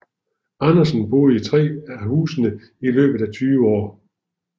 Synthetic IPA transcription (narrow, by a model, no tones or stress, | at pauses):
ɑnɐsən̩b̥o̝̰ːðˠit͡sʰʁɛ̰ːæɦṵːsənə | ilø̰ːb̥ð̩ˠæt͡sʰyːʋəɒ̰ː